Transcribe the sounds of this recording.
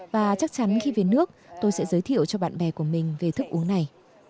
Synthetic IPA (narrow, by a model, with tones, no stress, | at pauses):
vaː˨˩t͡ɕa˦˥k̚t͡ɕa˨˦nxi˧ve˨˦nɨ˦˥ək̚t̪o˧jsɛ̰˧˥zəː˨˦jt̪ʰḭ˧˨ə˨wt͡ɕɔ˧ɓa̰ː˧˨nɓɛ˨˩ku˧˩əmï˨˩ŋ̟ve˨˩t̪ʰɨ˦˥k̚ʔu˨˦əŋna˨˩j